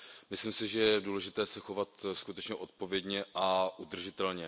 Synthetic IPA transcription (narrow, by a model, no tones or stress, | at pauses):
mɪslimsɪʒɛjɛduːlɛʒɪt̪ɛːsɛxo̞vat̪skut̪ɛt͡ʃɲɛʔo̞t̪̚po̞vjɛdɲɛʔaʔud̪r̩ʒɪt̪ɛlɲɛ